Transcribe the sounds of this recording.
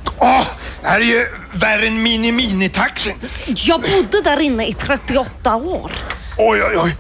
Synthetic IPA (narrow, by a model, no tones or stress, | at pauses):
ɔd̪̥ɛhæːɾæjɵ | væɾənminɪmiːnɪt̪ʰaksənjɑːɡbʊd̪ːəd̪æːɾɪnːəɪt̪ʰɾɛt̪ːɪɔt̪ːaoːɾ | ɔjjɑ